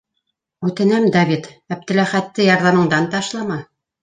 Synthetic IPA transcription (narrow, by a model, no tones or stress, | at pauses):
ʉt̪ɘ̆næmd̪ɑvʲit̪æp̚t̪ɘ̆læχæt̪ːɘjɑɾðɑmɤ̆ɴd̪ɑnt̪ɑʃlˠɑmɑ